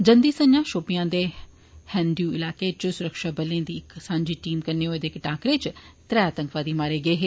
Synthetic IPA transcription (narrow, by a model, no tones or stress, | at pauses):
d͡ʑɐ̃nd̪iːsɐ̃ɲãʃoːpijãːd̪e | hɛ̃ːnd̪juɪlaːket͡ɕʊsʊɾəkʃabɐlẽd̪iːksãːɲd͡ʑiʈiːmkɐneɦoed̪eːkʈaːkɾeːt͡ɕɪt̪ɾɐjaːt̪ɐ̃ŋkʋaːd̪iːmaːɾeɡɐeɦeː